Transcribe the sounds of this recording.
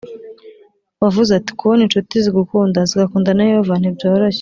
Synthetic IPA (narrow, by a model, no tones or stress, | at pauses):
βavuzati̥kʰuβonint͡ʃutiziɡukuːndaziɡakuːndanajoovanibjoːɾoɕe